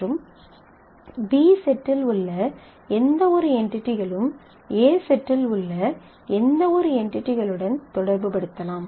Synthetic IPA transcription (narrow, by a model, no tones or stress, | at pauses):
ɯm | biːsɛʈːɪlʊɭːɐ | ɛnd̪ɐɔɾɯɛɳʈɪʈːɪɣɐɭɯm | eːsɛʈːɪlʊɭːɐ | ɛnd̪ɐɔɾɯɛɳʈɪʈːɪɣɐɭɯɽɐnt̪ɔɽɐɾbɯpɐɽɯt̪ːɐlaːm